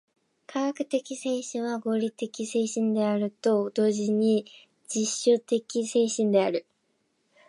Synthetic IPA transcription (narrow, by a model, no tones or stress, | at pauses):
kʰaɡakɯ̟̥t̪e̞kʲise̞ːɕĩɰ̃βaɡo̞ːɾʲit̪e̞kʲise̞ːɕĩnd̪e̞aɾɯ̟t̪o̞d̪o̞ːʑiɲ̟i | d͡ʑiɕːot̪e̞kʲise̞ːɕĩnd̪e̞aɾɯ̟